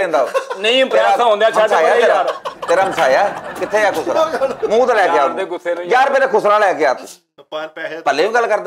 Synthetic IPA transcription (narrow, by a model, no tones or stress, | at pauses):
ẽːnd̪aːnəĩpɾaãɦõːnd̪jaːt͡ʃaːaːaːat̪eɾaməsaːjaːkɪt̪ʰːeːjaːkʰʊsɾamũːt̪ːlɛːɪjaːɡʊseːnjaːɾpɛːleːkʰʊsɾaːlɛːkɪjaːt̪ṵ̃ː | pəlːeːũːɡəlkəɾd̪a